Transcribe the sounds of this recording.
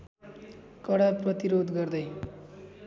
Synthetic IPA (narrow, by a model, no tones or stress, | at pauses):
kʌɽaprʌt̪iɾod̪ɡʌrd̪ʌj